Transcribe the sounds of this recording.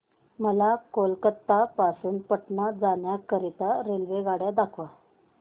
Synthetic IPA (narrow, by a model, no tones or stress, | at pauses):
məlakolkət̪ːapasuːnpəʈnad͡zaɳjakəɾit̪aɾelʋeɡaɽjad̪akʰʋa